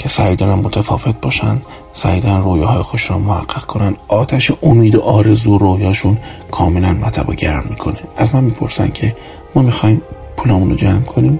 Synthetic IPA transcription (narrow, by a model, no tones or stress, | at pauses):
cʰe̞sæid̪ɒːnæmːot̪ʰæfɒːve̞t̪̚b̥ɒːʃæ̰nd̪̥ | sæ̰id̪ɒːnnroːjɑːɦɒːjexod̪eʃunɔmohæ̰ɢ̥ːeɣ̥kʰo̞nænd̪̥ʔɒːt̪ʰæʃeʔomiːd̪oʔɒːɾe̞zuːɾoːjɒːʃunkʰɒːme̞lænmæt̪ʰæ̰bo̰ɟæɾmːiːkʰo̞neʔæzmænmiːpʰo̞̰ɾsæ̰ncʰe̞ | mɒːmixɒːhim | pʰuːlɒːmuno̰d͡ʒæmkʰo̞niːm